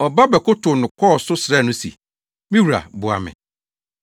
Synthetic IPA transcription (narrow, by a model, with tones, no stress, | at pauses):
ɔ˨ba˦bɛ˨kʊ˦tʰʊ˨nʊ̃˨kʰɔ˦˨sʊ˦sɾɛ˦˨nʊ̃˦sḭ˨ | mĩ˦wu˨ɾa̰˨bʊ˨a̰˨mɪ̰̃˨